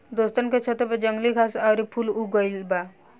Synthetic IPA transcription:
d̪ost̪ənket͡ʃʰət̪ebed͡ʒəŋɡlikʰasawɾipʰuluɡɔjlba

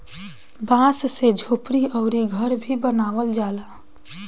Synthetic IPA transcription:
bãssed͡ʒʱoːpɾiɔʊɾiɡʱəɾbʱibənaːʋəld͡ʒaːla

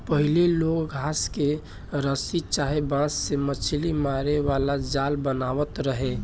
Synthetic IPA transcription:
pəɦileloːkɡʱaːske | ɾəsit͡ʃaːɦebãsːemət͡ʃʰlimaɾeʋalad͡ʒaːlbənaːʋət̪ɾəɦẽ

